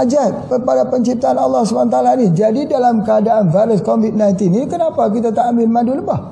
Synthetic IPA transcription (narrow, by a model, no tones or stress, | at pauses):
ad͡ʒapəpadapəɲt͡ʃip̚t̪aanɑlːɑhsubanat̪aalanid͡ʒadidalamkəadaʔanvaɾɪskovit̪̚najnt̪inikənapak̬it̪at̪aambɪlmaduləbah